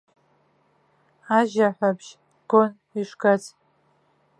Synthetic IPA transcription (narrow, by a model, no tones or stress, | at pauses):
aʒaħʷabʒ | ɡ̥on | iʂɡat͡sʰʼ